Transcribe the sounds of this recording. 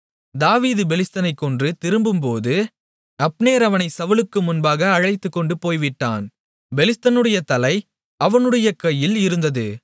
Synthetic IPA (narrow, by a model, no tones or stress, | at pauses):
d̪aːʋiːðɯbɛlɪst̪ɐnɐɪkːɔndrɯt̪ɪɾɯmbɯmpoːðɯ | ɐpneːɾɐʋɐnɐɪsɐʋɐlɯkːɯmʊnbaːɣɐːɻɐɪt̪ːɯkːɔɳɖɯpoːjʋɪʈːa̰ːn | bɛlɪst̪ɐnɯɽɐjɐt̪ɐlɐɪ | ɐʋɐnɯɽɐjɐkɐjːɪlɪɾɯnd̪ɐðɯ